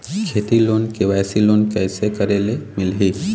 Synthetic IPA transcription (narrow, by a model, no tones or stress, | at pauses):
kʰet̪ilonkeʋajsilonkɛɪsekəɾelemɪlɦi